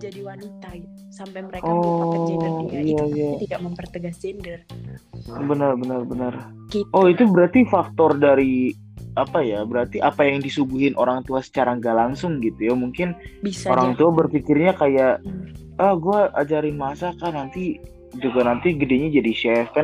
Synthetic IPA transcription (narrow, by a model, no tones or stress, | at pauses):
d͡ʒiwanit̪a | aəeɔ | ijaijaaəpərt̪əɡas | bənərbənərbənər | ɔit̪ubəɾart̪ifak̚t̪ɔrdaɾi | apajabəɾart̪iʔapajaŋdisubuɦɪnʔoɾaŋt̪uasə̥t͡ʃaɾaŋɡalaŋsʊŋɡit̪ujamuŋkɪnioɾaŋt̪uabərfikɪrɲakajaʔ | əhɡuaʔad͡ʒaɾɪnmasakahnant̪i | d͡ʒuɡanant̪iɡədeɲad͡ʒadiʃɛfɛn